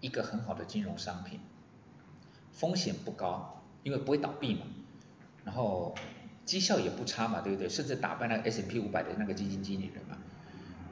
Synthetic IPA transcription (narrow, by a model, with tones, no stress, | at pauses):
i˧˥ɡə˨xə˧˦nxɑ˨˩ʊd̪ə˦t͡ɕi˥nɻʊ˧˥ŋʂɑ˥ŋpʰḭ˨˩n | fo˥ŋɕjɛ˨˩npu˥˩kɑ˥ʊ | i˥nwpu˧˥xwe˥˩t̪ɑ˨˩ʊpi˥˩ma̰˨˩ | ɻa˧˥nxo˥˩ʊt͡ɕi˦˥ɕjɑ˥˩ʊjɛ˨˩pu˥˩ʈ͡ʂʰa˥ma˨t̪we˥˧˩b̚t̪we˥˧ʂə˥˧nʈ͡ʂɻ̩˥˩t̪a̰˨˩pa˥˧ɪna˥˩ə˧ʔɛ˥sɛ˧˥npʰi˥u˧˥pa˨˩ɪd̪ə̰˦na˥˩ɡə˩t͡ɕi˥t͡ɕi˧˥nt͡ɕi˥nḭ˨˩ɻə̰˧˦nma̰˨